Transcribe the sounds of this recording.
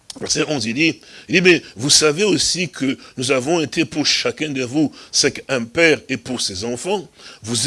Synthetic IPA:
vɛʁseɔ̃zid̪iid̪imɛvusaveosikʰənuzavɔ̃et̪ʰepuʁʃakɛ̃d̪əvusɛkɛ̃pɛʁepuʁsezɑ̃fɑ̃vuz

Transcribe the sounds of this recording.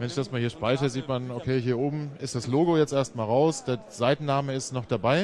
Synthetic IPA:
vɛnɪçd̥asmaːlhiːɐʃpaɪçəziːtmanokʰeːɦiːɐʔoːbm̩ɪstd̥asloːɡojɛt͡stʔeːɐst̚maːlʁaʊsd̥eːɐ | z̥aɪtn̩naːməɪstnɔχd̥abaɪ

